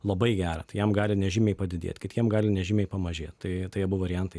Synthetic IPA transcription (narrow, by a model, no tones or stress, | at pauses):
lˠɐbɐɪɡʲæːɾɐt̪ɐɪjɛmɡɑːlʲɪnʲɛʒʲɪmʲɛɪpɐd̪ʲɪd̪ʲḛːt̪ʲkʲɪt̪jiɛmɡɑːlʲɪnʲɛʒʲɪmʲɛɪpɐmɐʒʲeːt̪t̪ɐɪt̪ɐɪjɛbʊʋɐːɾʲɪjɛnt̪ɐɪ